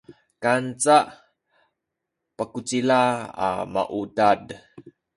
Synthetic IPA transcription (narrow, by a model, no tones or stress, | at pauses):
kant͡saʔ | pəkut͡silaa̰ma̰ʔudad